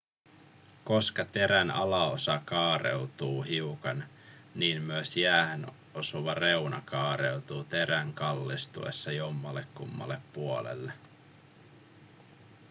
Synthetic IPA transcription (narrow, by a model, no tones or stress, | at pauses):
ko̞skɑt̪e̞ɾænɑ̰lɑosɑkɑːɾe̞̰wt̪uːɦiukɑn | niːnmyesjæːhen | o̞suʋɑre̞unɑ̰kɑːɾe̞wt̪uːt̪e̞ɾæŋkɑlːist̪ṵe̞̰sːɑjomːɑlːekːumːɑ̰lːe̞pːuo̞lḛlːe